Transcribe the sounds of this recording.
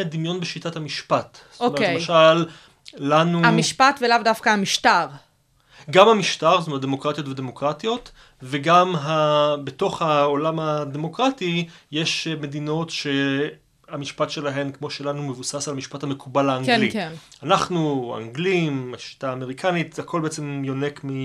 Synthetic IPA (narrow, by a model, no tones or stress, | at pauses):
d̪imjo̞nbeʃitathamiʃpat | stomeemʃalː | anuamiʃpatvelavdafkaamiʃtaʁ | ɡamhamiʃtaʁstomet̚d̪emo̞kʁat̪jo̞tvede̞mo̞kʁatijo̞t | veɡamɦabeto̞χhaolamade̞mo̞kʁatije̞ʃme̞dino̞tʃe̞ | amiʃpatʃe̞laɦe̞nkmo̞ʃelanume̞vusasalmiʃpathame̞kʰubalhaːŋɡlinanaχnua̰ŋɡlimaʃi̥taːme̞ʁikʰanit̪zhakʰo̞lbeet͡semjo̞ne̞kmi